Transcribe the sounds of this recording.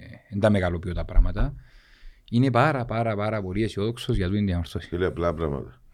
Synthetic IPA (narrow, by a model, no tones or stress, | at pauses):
end̪ameɣalopiot̪apɾa̰mat̪ɐ | inepaɾapaɾapaɾapoɾiesioðoksozʝat̪uind̪iamaɾθosi̥leaplapɾama̰t̪ɐ